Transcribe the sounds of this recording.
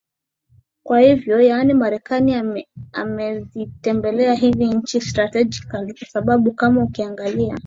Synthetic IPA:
kwahivjɔjanimaɾɛkania̰mɛvitɛmbɛlɛaɦiviɲ̩t͡ʃistɾatɛd͡ʒikalikwasaɓaɓukamaukiaŋɡalia̰

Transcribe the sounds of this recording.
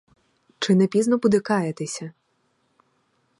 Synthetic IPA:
t͡ʂɪnɛpʲiznɔpʊd̪ɪkɑjɛt̪ɪsʲɐ

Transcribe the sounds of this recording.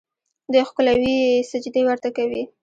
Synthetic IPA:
d̪əxkəlawisad͡ʒd̪ewaɾt̪akawi

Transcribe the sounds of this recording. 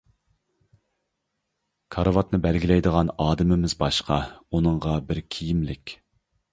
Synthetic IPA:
kʰɑɾvɑt̪nɨbælɡʲilɛjd̪əʁɑnɑːd̪ɪmɪmɪzbɑʃqʰɑunɨɴʁɑbɪɾkʲʰijimlɪkʲ

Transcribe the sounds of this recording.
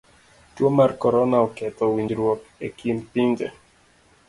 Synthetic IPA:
twomarkɔɾɔnaɔkɛt̪ɔwiɲd͡ʒiɾwɔkekʰimpind͡ʒɛ̰

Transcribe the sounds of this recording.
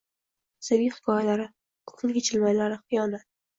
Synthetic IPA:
sɪviχɪ̥kʰɒjalaɾɪ | qʰʊ̥qʰɨlɡʲet͡ʃʰɪlmajlaɾɪχɪjɒnat̪

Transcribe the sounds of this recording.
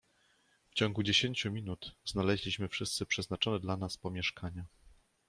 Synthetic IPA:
ft͡ɕɔŋɡud͡ʑeɕeɲt͡ɕumʲinut̪znalɛʑlʲiɕmɘfʂɘst̪sɘpʂɛznat͡ʂɔnɛd̪lanaspɔmʲjɛʂkaɲa

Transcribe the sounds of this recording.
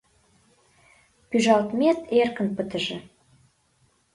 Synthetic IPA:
pyʒɑlt̪met̪ʰerkənpət̪ə̆ʒĕ

